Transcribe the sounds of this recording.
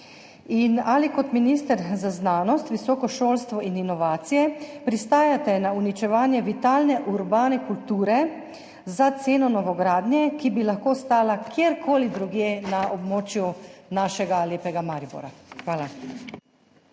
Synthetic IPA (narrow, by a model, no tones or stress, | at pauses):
inalikɔt̪minist̪əɾzaznaːnɔst̪ʋisɔːkɔʃoːlst̪ʋɔʔininɔʋaːt̪sijɛpɾist̪aːjat̪ɛnaunit͡ʃɛʋaːnjɛʋit̪aːlnɛʔuɾbaːnɛkult̪uːɾɛ | zat̪seːnɔnɔʋɔɡɾaːd̪nʲjɛkibilaxkoːst̪aːlakjeɾkʰoːlid̪ɾuɡjeːnaʔɔbmoːt͡ʃjunaːʃɛɡaleːpɛɡamaɾibo̰ɾaxʋaːla